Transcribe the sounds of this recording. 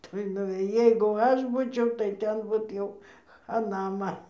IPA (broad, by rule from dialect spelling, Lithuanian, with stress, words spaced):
ˈtoːj nʊʋʲeːˈjɛɪ jɛɪɡʊ ˈɐʃ ˈbuːt͡ʃʲɛʊ tɐɪ ˈtʲɛn bʊt ˈjɛʊ xɐˈnɐ ˈmɐn